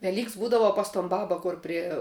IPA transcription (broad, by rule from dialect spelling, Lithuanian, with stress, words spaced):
ʋʲɛˈlʲiːks ˈbuːdɐʋɐ pɐs toːn ˈbɑːbɐ ˈkʊr pʲrʲiɛ